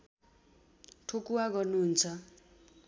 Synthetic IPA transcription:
ʈʰokuwaɡʌnuɦːnt͡sʰʌ

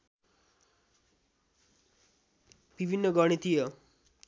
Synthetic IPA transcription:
bibʱinːʌɡʌɽ̃it̪ijʌ

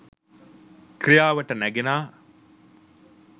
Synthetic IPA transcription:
kɾijaːʋɐʈɐnæɡenaː

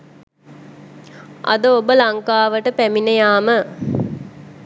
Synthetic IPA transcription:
ʔɐ̰d̪əobəlaŋkaːʋəʈəpæminejaːmə

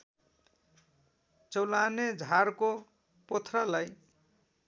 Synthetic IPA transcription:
t͡sʌwlaned͡zʱarko | pot̪ʰralaj

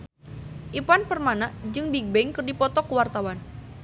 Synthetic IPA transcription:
ʔipanpərmanaʔd͡ʒɨŋbiɡ̚bɛŋkərdipɔt̪ɔkəwart̪awan

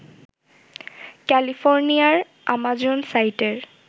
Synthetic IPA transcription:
kɛlipʰɔɹnijaɹ | amazɔnsajtɛɹ

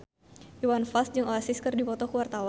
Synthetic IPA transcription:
ʔiwanfasd͡ʒɨŋoasiskərdipɔt̪ɔkəwart̪awa

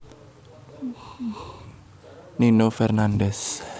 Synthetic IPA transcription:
ninofɛrnandɛs

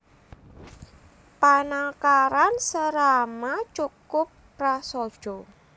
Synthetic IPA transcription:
panakaɾansəɾamat͡ʃukʊp̚ | rasɔ̥ʒ̥ɔ

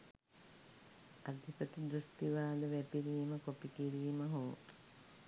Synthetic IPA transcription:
ad̪ʱipət̪id̪ɾust̪iʋaːləʋɛpiɾiʋiməkopikiɾiːməɦoː

